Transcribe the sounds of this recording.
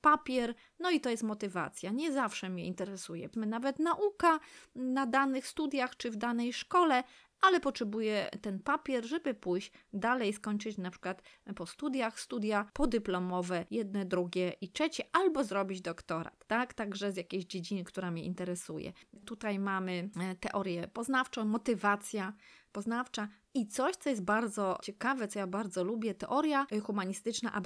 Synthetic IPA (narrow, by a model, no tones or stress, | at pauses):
papʲjɛɾ | nɔit̪ɔjɛst̪mɔt̪ɘva̰t̪sʲjaɲɛzafʂɛmʲɲɛ̰int̪ɛɾɛsujɛ̰navɛt̪naʔukanad̪anɘxst̪ud̪ʲjaxt͡ʂɘvd̪anɛjʂkɔlɛ | alɛpɔtʂɛbujɛt̪ɛnpapʲjɛɾʐɛbɘpujɕd̪alɛjskɔɲt͡ʂɘt͡ɕnapʂɘ̥kwat̪pɔst̪ud̪jaxst̪ud̪ʲjapɔd̪ɘplɔmɔvɛjɛd̪̚nɛd̪ɾuɡʲɛʔitʂɛt͡ɕɛʔalbɔzɾɔbʲid͡ʑd̪ɔkt̪ɔɾa̰t̪ːakt̪aɡʐɛzʲjakʲeʑd͡ʑed͡ʑinɘkt̪uɾamʲɲɛʔint̪ɛɾɛsujɛ̰t̪ut̪ajmamɘt̪ɛʔɔɾʲjɛpɔznaft͡ʂɔ̃w̃mɔt̪ɘvat̪sʲjapɔznaft͡ʂa | it̪sɔɕt̪sɔjɛst̪baɾd̪zɔt͡ɕɛkavɛt̪sɔjabaɾd̪zɔlubʲjɛt̪ɛʔɔɾjaxumaɲist̪ɘt͡ʂna̰ʔa̰b